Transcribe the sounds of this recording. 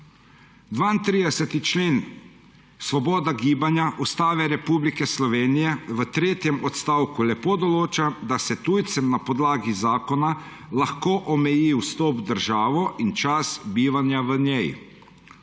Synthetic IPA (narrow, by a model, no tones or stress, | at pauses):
d̪ʋaːint̪ɾiːd̪ɛsɛt̪it͡ʃleːn | sʋɔbɔːd̪aɡiːbanjaʔust̪aːʋɛɾɛpublikɛslɔʋeːnijɛʋət̪ɾeːt̪jɛmɔt̪st̪aːwkulɛpoːd̪ɔloːt͡ʃad̪asɛt̪uːjt̪sɛmnapɔd̪laːɡizaːkɔna | laxkoːʔɔmɛjiwst̪ɔːpd̪əɾʒaːʋɔʔint͡ʃasbiːʋanjaʋənjɛj